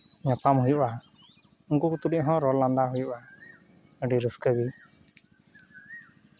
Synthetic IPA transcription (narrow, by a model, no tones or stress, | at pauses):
ɲapamhujuʔa | uŋkukut̪uɖiʔɦɔ̃ɾɔland̪aɦujuʔa | əɖiɾuskəɡi